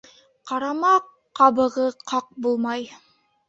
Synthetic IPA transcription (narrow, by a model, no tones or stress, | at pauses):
qɑɾɑmɑqː | ɑβɤ̆ʁɤqʰɑq̚bulˠmɑj